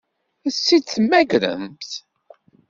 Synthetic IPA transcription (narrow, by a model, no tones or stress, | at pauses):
sːid̪θmæɡɾə̰mθ